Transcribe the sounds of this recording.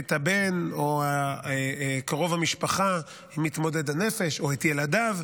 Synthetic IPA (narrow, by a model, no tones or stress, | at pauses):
et̪habe̞noa | kaʁo̞vhamiʃpaχa | imit̪mo̞dedhanefe̞ʃo̞et̪jeladav